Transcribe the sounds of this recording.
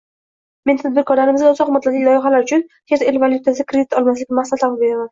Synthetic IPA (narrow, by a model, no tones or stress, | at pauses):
me̞nt̪ʰad̪̚bɪɾkʰɒɾlaɾɪmɪzɡʲaʊzɒqmat̪lad̪lɪkʲlɒjɪχalaɾʊt͡ʃʰʊnheɾt̪elvalˠjʊt̪ʰasɪkʰɾed̪ɪt̪ɒlˠmas̬lɪkʲnmasat̪lambeɾaman